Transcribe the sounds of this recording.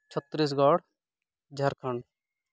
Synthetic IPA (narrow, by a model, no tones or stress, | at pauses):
t͡ʃʰət̪ːɾiːs̬ɡɔːɽ | d͡ʒʱɐɾkʰəɳɖ